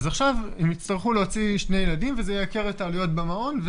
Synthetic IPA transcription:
zaχʃavemit͡st̪aʁχuleot͡siʃne̞jeladimvezejakeʁletaːlujo̞t̪̚bamao̞nv

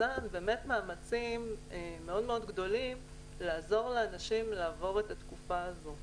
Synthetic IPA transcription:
anbe̞ːme̞tmaːmat͡simeːe̞o̞dme̞o̞dɡdo̞lim | laːzo̞ʁleanaʃimlaːvo̞ʁetat̪kufaːzo̞

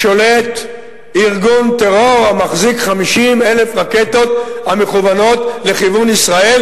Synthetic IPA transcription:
ʃo̞let̪ | iʁɡunt̪eʁoʁamaχzikχamiʃime̞lefʁake̞t̪o̞t̪hame̞χuvano̞t̪le̞χivunisʁael

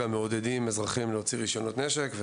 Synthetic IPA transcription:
ameod̪ed̪imezʁaχimleot͡siʁiʃo̞no̞t̪neʃekve

